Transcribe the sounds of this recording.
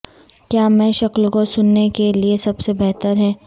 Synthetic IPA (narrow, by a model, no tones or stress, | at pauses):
kjaːmɛ̃ʃɐklkosʊnːekeliesɐbsebɛɦt̪əɾɦɛː